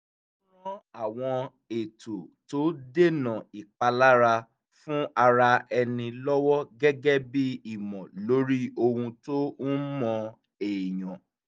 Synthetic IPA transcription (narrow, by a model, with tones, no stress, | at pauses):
ɔ̃˦a˦˨w̃ɔ̃˧ | e˨to˨to˨˦de˦nã˨i˨k͡pa˧la˦ɾa˧ | fũ˦ʔa˧ɾa˧ɛ˧nĩ˧lɔ˦wɔ˦ɡɛ˦ɡɛ˦bi˦i˨mɔ̃˨lo˨˦ɾi˦o˦˧hũ˧to˦n̩˦mɔ̃˧ | eː˨j̃ɔ̃˨